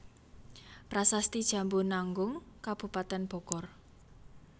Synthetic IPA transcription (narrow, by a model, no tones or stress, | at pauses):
pɾasast̪id̥ʒ̥ä̤mbonaŋɡʊŋkab̥ṳpat̪ɛnb̥ɔ̤kɔr